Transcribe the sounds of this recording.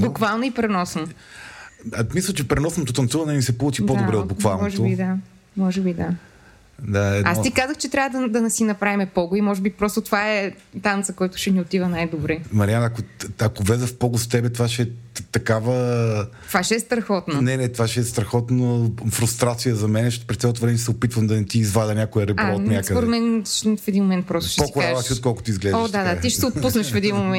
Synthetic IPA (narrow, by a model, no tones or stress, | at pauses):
bukvalˠnoipɾɛnɔsno | mislˠɐt͡ʃɛpɾɛnɔsnot̪ot̪ɐnt̪suvɐnɛmisɛpolˠut͡ʃidpod̪obɾɛod̪bukvalˠnʒɛobid̪a | mɔʒɛbid̪a | d̪aɛasikazəxt͡ʃɛt̪ɾʲavəd̪ɐd̪ɐnɛsinɐpɾavimɛpɔɡʊimɔʒɛbipɾɔst̪ot̪ovaɛ | t̪ant̪səkɔjt̪ʊ̥ʃɛniot̪ivənajd̪obɾɛmɐɾianɐkoɐkovlɛzəfpɔɡʊst̪ɛbɛt̪ovaʃɛɛt̪ɐkavət̪ovaʃɛɛst̪ɾɐxɔt̪nonɛnɛt̪ovaʃɛɛst̪ɾɐxɔt̪nofɾʊst̪ɾat̪sijəzɐmɛnɛʃpɾɛsɛlˠot̪ovɾɛnɛʃɛsɛopit̪vɐmd̪ɐnɛt̪iːzvad̪ɐnʲjakojəɾɛbaɔnʲjaskəd̪oɾɛmɛnʃfɛd̪inmomɛnt̪̚pɾɔst̪ʊ̥ʃɛpoikʊɾaɐʃsiot̪̚kɔlˠkʊ̥t̪ʊizɡlɛɔɐd̪ad̪at̪iʃɛ̥sɛot̪pusnɐʃfɛd̪inmomɛn